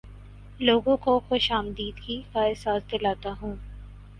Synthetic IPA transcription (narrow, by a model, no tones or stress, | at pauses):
loːɡõkoxoʃaːmd̪iːd̪kikaɪsaːsd̪ɪlaːt̪aɦũː